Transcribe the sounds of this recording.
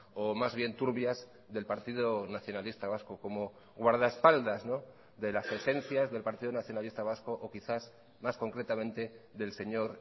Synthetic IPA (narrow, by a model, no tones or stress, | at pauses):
omazβ̞je̞nt̪uɾβjaz | ðe̞lpaɾt̪ið̞onaθjonalist̪aβ̞askoko̞mo̞ | ɣwaɾð̞aespald̪azno̞ | ðe̞lase̞se̞n̟θjazðe̞lpaɾt̪iðonaθjo̞nalist̪aβ̞askoʔokiθaz | masko̞ŋkɾe̞t̪amẽ̞nt̪e̞ðe̞lse̞ɲo̞ɾ